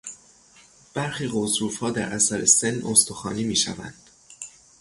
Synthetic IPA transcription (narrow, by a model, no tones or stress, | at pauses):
b̥æɾxiːɣozɾuːfhɒːd̪æɾʔæsæɾesenːost̪oxɒ̰ːniːmiːʃæ̰væ̰nd̪̥